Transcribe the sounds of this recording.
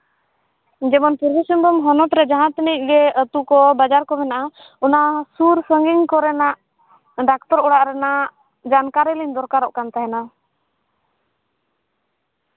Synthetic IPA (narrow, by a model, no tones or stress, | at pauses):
d͡ʒɛmɔnpuɾbɔsəmbɔmɦɔnɔt̪ɾɛd͡ʒaɦãt̪ənic̚ˀɡɛət̪ukɔbad͡ʒaɾkɔmɛnaʔa | unasuɾsəŋɡiŋkɔɾɛnaʔ | ɖakt̪ɔɾɔɽaʔɾɛnaʔ | d͡ʒankaɾɛliɲd̪ɔɾkaɾɔʔkant̪aɦɛna